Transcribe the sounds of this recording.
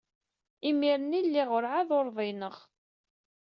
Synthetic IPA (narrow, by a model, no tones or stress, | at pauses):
imiɾənilːiʁʊɾʕaðoɾˤðˤinəʁ